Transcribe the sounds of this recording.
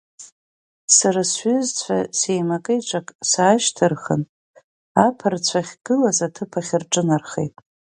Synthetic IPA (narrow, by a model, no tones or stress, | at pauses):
saɾasɥʏzt͡sʷʰa̰se̞jmakʼɨjʈ͡ʂʷʼakʼsaːʃtʰɨrχə̰n | apʰart͡sʷʰaχʲɡ̥ɨlazatʰɨpʰaχʲɪrʈ͡ʂʼɨnarχḛjtʼ